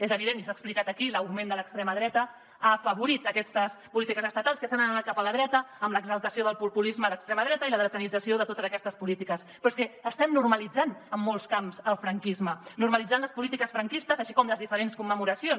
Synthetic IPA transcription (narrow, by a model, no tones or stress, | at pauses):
ezəβ̞iðenisaksplikat̪əkiləwɣmẽnd̪ələkst̪ɾeməðɾɛt̪ə | afəβuɾit̪əkɛst̪əspulit̪ikəzəst̪ət̪alˠskəsanənamat̪̚kapələðɾɛt̪əːmləɡzəlˠt̪əsioðəlˠpulpulizməðəkst̪ɾɛməðɾɛt̪əiləðɾət̪ənid͡zəsioðət̪ot̪əzəkɛst̪əspulit̪ikəspɾɔskɛəst̪ɛmnurməlid͡zanəmːolˠskamzəlˠfɾəŋkizmənurməlid͡zanləspulit̪ikəsfɾəŋkist̪əzəʃikɔmləzðifəɾenskumːəmuɾəsion